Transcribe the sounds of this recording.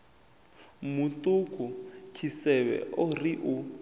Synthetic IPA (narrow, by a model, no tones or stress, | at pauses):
mutukʰut͡ʃʰisɛβɛ̰ʔɔriʔu